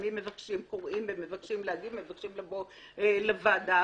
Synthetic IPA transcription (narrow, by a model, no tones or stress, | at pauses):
mimːe̞vakʃimkoʁimbemevakʃimleaɡidmevakʃimlabo | elavad̪a